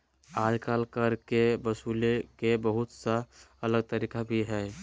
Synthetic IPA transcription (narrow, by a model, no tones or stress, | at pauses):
aːd͡ʒkaːlkəɾkebəsuːlekebəɦʊt̪saələɡ̚t̪əɾiːkabʱiɦɛː